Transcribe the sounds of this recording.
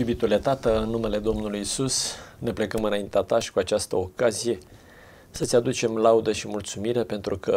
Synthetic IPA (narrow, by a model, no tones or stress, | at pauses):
jubit̪ule̞t̪at̪əɨnːume̞le̞d̪o̞mnulujisusne̞ple̞kəmɨnaint̪eat̪aʃi̥kuat͡ʃast̪əo̞kazije̞ | sət̪sʲad̪ut͡ʃe̞mlaud̪əʃimult̪sumiɾe̞pe̞nt̪ɾukʰə